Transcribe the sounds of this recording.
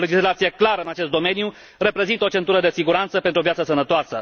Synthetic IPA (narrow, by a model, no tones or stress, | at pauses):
le̞d͡ʒislat̪sije̞klaɾəɨnat͡ʃe̞st̪d̪o̞me̞nju | re̞pɾe̞zint̪əot͡ʃe̞nt̪uɾəd̪esiɡuɾant̪səpent̪ɾuovjat̪səsənət̪oasə